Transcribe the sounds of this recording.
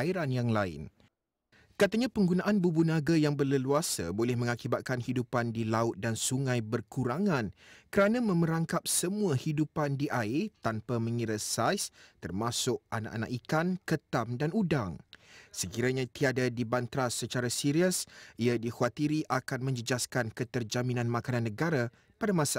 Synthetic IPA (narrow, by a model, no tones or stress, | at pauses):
aiɾanjaŋlaɪ̰n | kat̪aɲãpəŋɡunãʔanbubunãɡajaŋbərləluasa̰bolɛhmə̃ŋakibat̪̚kanhidupandilaʊt̪̚dansuŋãjbərkuɾaŋãnkəɾanãmə̃məɾaŋkap̚səmũahidupandiʔat̪anpamə̃ŋiɾəsajst̪ərmasʊk̚ʔana̰ʔa̰na̰ʔikankət̪amdanudaŋsəkiɾaɲãt̪iadadibant̪ɾasət͡ʃaɾasiɾiəsʔiadihuat̪iɾiʔakanmə̃ɲd͡ʒəd͡ʒaskankət̪ərd͡ʒamĩnãnmãkananːəɡaɾa | padamãsa